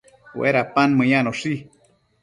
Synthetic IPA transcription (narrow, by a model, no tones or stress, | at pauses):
wʔḛɾapanmɨjanoʂi